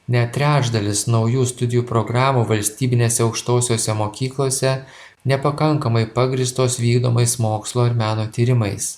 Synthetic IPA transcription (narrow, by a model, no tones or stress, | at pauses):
nʲɛt̪ʲɾʲæːʒd̪ɐlʲɪsnɒʊjuːst̪ʊd̪ʲɪjuːpɾoɡɾɑːmuːʋɐlʲsʲt̪ʲiːbʲɪnʲeːsʲɛɒʊkʃt̪oːsʲoːsʲɛmoːkʲiːklˠoːsʲɛ | nʲɛpɐkɐŋkɐmɐɪpɑɡɾʲiːst̪oːsʋʲiːɡd̪oːmɐɪsmoːkslˠoːɐɾmʲæːnoːt̪ʲiːɾʲɪmɐɪs